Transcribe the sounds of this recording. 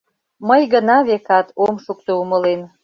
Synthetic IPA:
məjɣənɑβekɑt̪omʃuk̚t̪ouməlen

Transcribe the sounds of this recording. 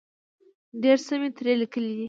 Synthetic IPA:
ɖeɾsəmet̪ɾelikəlid̪i

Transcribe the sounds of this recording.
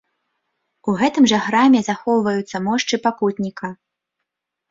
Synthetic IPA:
uɣɛt̪ɨmʐɐxɾamʲɛzaxɔwvɐjut̪sːɐmɔʂt͡ʂɨpakut̪ʲnʲikʰɐ

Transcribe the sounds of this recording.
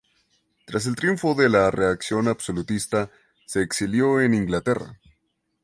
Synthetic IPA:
t̪ɾas̬e̞lt̪ɾjuɱfo̞ðelare̞aksjo̞nabso̞lut̪ist̪a | se̞ːksiljo̞e̞niŋɡlat̪e̞ra̰

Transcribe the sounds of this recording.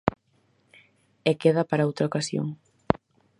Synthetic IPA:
ɛkeðɐpaɾaowt̪ɾaokasjo̰ŋ

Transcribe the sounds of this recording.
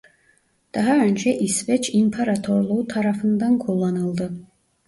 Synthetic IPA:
d̪̥aɦaønd͡ʒʰɛʔisvɛt͡ʃʰimpʰaɾat̪ʰoɾlˠuwt̪ʰaɾafɯnd̪ankʰolˠːanɯlˠd̪ɨ

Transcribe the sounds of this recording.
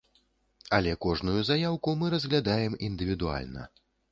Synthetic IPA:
alʲɛkɔʐnujuzajawkumɨɾɐzʲɣlʲad̪ajɛmind̪ɨvʲid̪ua̰lʲnɐ̰

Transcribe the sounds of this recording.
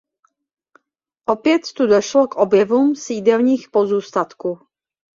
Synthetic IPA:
ʔopjɛt̪ːudoʃlokʔobjɛvumsiːdɛlɲiːxpozuːst̪at̪kuː

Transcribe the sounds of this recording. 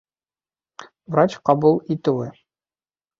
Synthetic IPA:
vrat͡ɕqɑbulˠit̪ɘ̆wɘ

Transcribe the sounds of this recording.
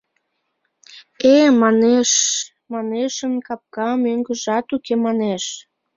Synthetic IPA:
emɑneʃ | mɑneʃənkɑp̚kɑmøŋɡəʒɑt̪ukemɑneʃ

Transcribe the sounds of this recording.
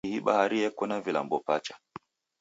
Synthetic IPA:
hiɓa̰haɾiɛkɔnavila̰mbɔpat͡ʃḁ

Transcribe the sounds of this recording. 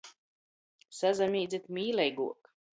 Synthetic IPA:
sazamʲiːd̪zit̪mʲiːlɛjɡṵɔk

